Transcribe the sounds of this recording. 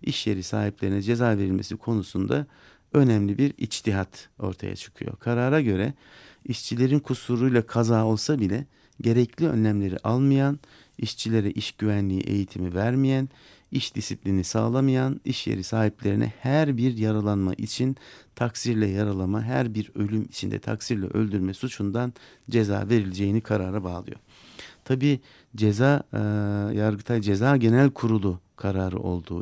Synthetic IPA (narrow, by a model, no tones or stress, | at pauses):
iʃje̞ɾisa̰ːɦiplʲe̞ɾinɛd͡ʒe̞zaːve̞ɾilʲme̞̰sikʰo̞nusund̪a̰ | ø̞næmlʲibiɾḭt͡ʃt̪ʰiɦat̪o̞̰ɾt̪ʰa̰ja̰t͡ʃʰɯ̥kʰɯ̰jo̞̰kʰaɾaɾaɟø̞ɾɛ | iʃt͡ʃʰilʲe̞ɾinkʰusuɾujlˠakʰazaːo̞lˠsabilʲɛ | ɟe̞ɾɛclʲiø̞̰nlʲæmlʲe̞ɾḭʔalˠmɯjan | iʃt͡ʃʰilʲe̞ɾɛʔiʃɟyvænlʲiḭʔe̞̰jit̪ʰimivæɾmijæn | iʃd̪̥isiplʲinisaːlˠamɯjaniʃjḛɾisaːhiplʲe̞ɾinʔɛ̰hæɾbiɾjaɾalˠanma̰ʔit͡ʃʰint̪ʰaksiɾlʲɛjaɾalˠamaɦæɾbiɾø̞lʲymit͡ʃʰind̪ɛ̰t̪ʰa̰ksiɾlʲɛ̰ʔølʲd̪yɾmɛsut͡ʃʰund̪an | d͡ʒe̞za̰ːve̞ɾilʲed͡ʒe̞jinikʰaɾaːɾabaːlˠɯ̰jo̞̰ | t̪ʰabiː | d͡ʒeza | jaɾɡɯt̪ʰad͡ʒe̞zaːɟe̞nælʲkʰuɾulˠu | kʰaɾaːɾɯ̰ʔo̞̰lˠd̪uː